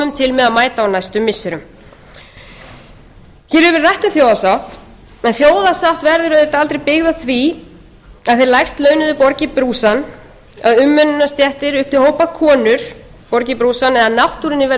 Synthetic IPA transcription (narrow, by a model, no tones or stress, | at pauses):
ʏmt̪ʰɪlmɛðaðmaːjt̪aawnajst̪ʏmːɪsːɪɾʏm | çɛɾhʏvɪɾrajht̪ʏθjowðasawht̪ | ɛnθjoːwðasawht̪vɛɾðʏɾœðet̪aalt̪ɾejpɪɣðaθvi | aðθejɾlajxst̪lœːɥnʏðʏpɔɾcɪpɾuːsan | aðʏmːʏnʏnːast̪jɛht̪ɪɾʏhp̚t̪ɪhoːwpakʰɔːnʏɾ̥ | pɔɾcɪpɾuːsanɛðaðnawht̪uɾɪnːɪvɛ